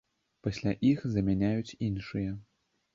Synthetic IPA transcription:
pɐsʲlʲaʔixzɐmʲanʲajut͡sʲinʂɨjɐ

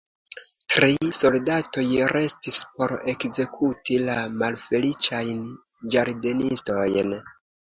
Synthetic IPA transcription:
tɾiso̞ldato̞jɾe̞stispo̞ɾe̞kze̞kʰutilamalfe̞lit͡ʃajnd͡ʒaɾde̞nisto̞jn

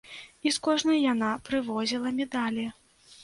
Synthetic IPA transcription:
iskɔʐnɐjjanapɾɨvɔzʲilˠɐmʲɛd̪alʲi

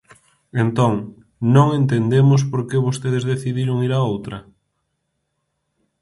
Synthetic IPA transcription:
ent̪oŋ | nõŋent̪end̪emos̬poɾkeβost̪eð̞ezðeθiðiɾoŋiɾaowt̪ɾɐ

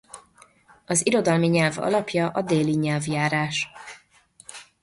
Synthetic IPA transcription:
ɒziɾo̞d̪ɒlmiɲɛlvɒ̰lɒpjɒʔɒd̪eːliɲɛlvjaːɾaːʃ

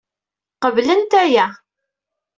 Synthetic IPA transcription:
qəvlənt̪æjæ

